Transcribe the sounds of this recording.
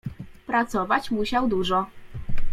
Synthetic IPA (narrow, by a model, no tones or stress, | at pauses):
pɾat̪sɔvat͡ɕmuɕawd̪uʐɔ